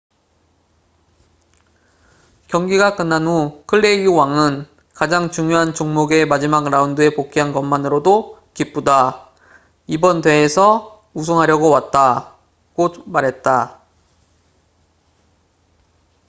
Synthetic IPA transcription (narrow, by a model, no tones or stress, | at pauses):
kjʌŋɡiɡak͈ɯnːanukʰɯɭːe̞iuwaŋɯn | kad͡ʑaŋt͡ɕuŋjoɦant͡ɕuŋmoɡe̞mad͡ʑimaɡɾaundɯe̞pok͈ʰiɦankʌmmanɯɾodokip͈uda | ibʌndwe̞ːsʰʌ | us̬ʰoŋɦaɾjʌɡowat̚t͈a | ɡ̥omaɾɦe̞t̚t͈a